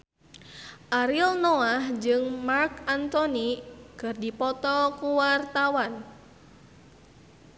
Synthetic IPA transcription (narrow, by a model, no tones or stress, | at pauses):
ʔaɾilnɔahd͡ʒɨŋmarkant̪ɔnikɨrdipɔt̪ɔkuwart̪awan